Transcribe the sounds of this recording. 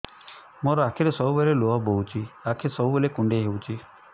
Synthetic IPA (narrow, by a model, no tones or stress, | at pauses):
moɾɔakʰiɾesɔɦubeɾeloɦɔbout͡ʃʰiakʰesɔɦubelekuɳɖeɦewt͡ʃʰi